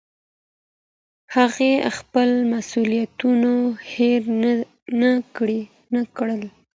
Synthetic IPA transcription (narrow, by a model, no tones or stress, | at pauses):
haɣexpəlmasulijat̪unoheɾ | nakɽi | nakɽəl